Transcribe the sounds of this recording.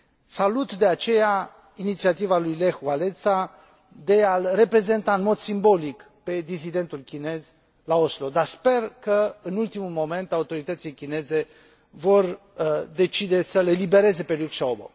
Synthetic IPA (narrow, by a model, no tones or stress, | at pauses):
salut̪d̪e̞at͡ʃe̞ja | init̪siat̪ivalujle̞xwale̞t̪sa | d̪e̞alre̞pɾe̞ze̞nt̪aɨnmo̞d̪simbo̞lik | pe̞d̪isid̪e̞nt̪ulkʲine̞z | lao̞slo̞d̪arspe̞rkəɨnult̪imulmo̞me̞nt̪aut̪o̞ɾit̪ət̪silejkʲine̞ze̞ | vo̞r | d̪e̞t͡ʃid̪e̞səle̞libe̞ɾe̞ze̞pe̞lukʃaobo̰